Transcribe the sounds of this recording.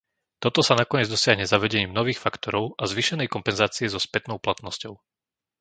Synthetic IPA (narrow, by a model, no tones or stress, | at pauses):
t̪ɔt̪ɔsanakɔɲɛd͡zd̪ɔsɪaɦɲɛzaʋɛɟɛɲiːmnɔʋiːxfakt̪ɔɾɔʊazʋiʃɛnɛjkɔmpɛnzaːt͡siɛzɔspɛt̪nɔʊplat̪nɔscɔʊ